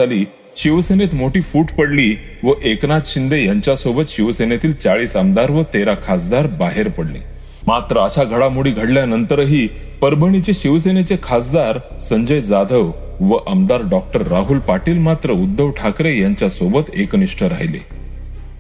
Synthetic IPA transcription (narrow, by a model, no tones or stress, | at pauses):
aliː | ɕiʋsenet̪moʈiːfuːʈpəɽliː | ʋəʔeknat̪ɕind̪ejaɲt͡ɕjasobət̪ɕiʋsenet̪iːlt͡saɭiːsəmd̪aɾʋət̪eɾakʰasd̪aɾbaɦeɾpəɽlḛ | mat̪ɾəːɕaɡʱəɽamuɽiːɡʱəɽljanənt̪əɾɦiː | pəɾbʱəɳ̃it͡ɕeɕiʋs̬enet͡sekʰasd̪aɾ | səɲd͡ʑəjd͡zad̪ʱəʋ | ʋəʔəmd̪aɾɖɔk̚ʈəɾːaɦulpaʈiːlmat̪ɾəud̪ːəʋʈʰakɾejaɲt͡ɕjasobət̪ekniʂʈʰəɾa̰ɦjlḛ